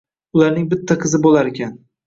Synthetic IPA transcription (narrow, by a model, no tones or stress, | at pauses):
ʊlaɾnɪŋbɪt̪ʰːaqʰɨzɪbolaɾekʲʰan